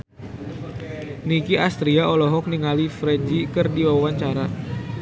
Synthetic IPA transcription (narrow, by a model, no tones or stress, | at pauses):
nikiʔast̪ɾiaʔɔlɔɦɔk̚niŋalifɾɛd͡ʒikərdiwaawaɲt͡ʃaɾa